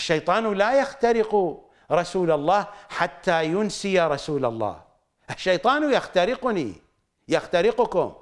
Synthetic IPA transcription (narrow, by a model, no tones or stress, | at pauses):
ʔaʃːajt̪ˤɑːnlaːjaxt̪aɾɪqu | ɾˤɑsuːlalˤːɑːhħat̪ːaːjʊnsɪjaɾˤɑsuːla̰lˤːɑ̰ːh | ʔaʃːajt̪ˤɑːnjaxt̪aɾɪqʊnḭ | jaxt̪aɾɪqʊkʊ̰m